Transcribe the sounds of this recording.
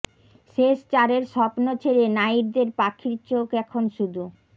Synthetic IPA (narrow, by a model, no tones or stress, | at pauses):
ʃeʃt͡ɕaɾeɾʃɔpnot͡ɕʰeɾenajiɾd̪eɾpakʰiɾt͡ɕokɛkʰonʃud̪ʱu